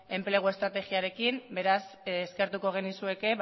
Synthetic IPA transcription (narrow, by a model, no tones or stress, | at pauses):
e̞mple̞ɣ̞ue̞st̪ɾat̪e̞ɣiaɾe̞kimbe̞ɾasːske̞ɾt̪uko̞ɣ̞e̞nisue̞ke̞